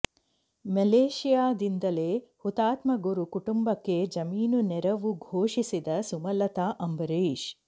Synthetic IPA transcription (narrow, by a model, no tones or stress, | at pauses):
mɐleːʃijaːd̪ind̪ɐleːhut̪aːt̪mɐɡuɾukuʈumbɐkːe̞d͡ʒɐmiːnunɛɾɐʋuɡʱoːʂisid̪ɐsumɐlɐt̪aːʔɐmbɐɾeːʃ